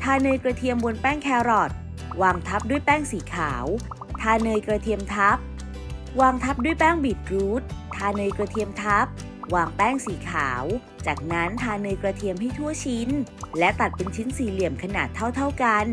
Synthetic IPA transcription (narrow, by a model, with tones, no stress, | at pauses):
t̪ʰaː˧nɤː˧jkɾa˧t̪ʰi˧əmbo˧npɛː˥˩ŋkʰɛː˧wɾɔː˨˩t̪̚ | waː˧ŋt̪ʰa˦˥p̚du˥˩əjpɛː˥˩ŋsiː˩˦kʰaː˩˦w | t̪ʰaː˧nɤː˧jkɾa˧t̪ʰi˧əmt̪ʰa˦˥p̚ | waː˧ŋt̪ʰa˦˥p̚du˥˩əjpɛː˥˩ŋbiː˨˩t̪̚ɾuː˦˥t̪̚ʰːaː˧nɤː˧jkɾa˧t̪ʰi˧əmt̪ʰa˦˥p̚ | waː˧ŋpɛː˥˩ŋsiː˩˦kʰaː˩˦w | t͡ɕaː˨˩k̚na˦˥nt̪ʰaː˧nɤː˧jkɾa˧t̪ʰi˧əmɦa˥˩jt̪ʰu˥˩ət͡ɕʰi˦˥nlɛ˦˥t̪a˨˩t̪̚pe˧nt͡ɕʰi˦˥nsiː˨˩li˨˩əmkʰa˧na̰ː˨˩t̪ʰːa˥˩wt̪ʰa˥˩wka˧n